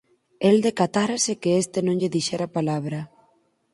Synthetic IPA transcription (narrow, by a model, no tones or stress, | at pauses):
eld̪ekat̪aɾasekeest̪enõŋʎeðiʃɛɾapalaβ̞ɾa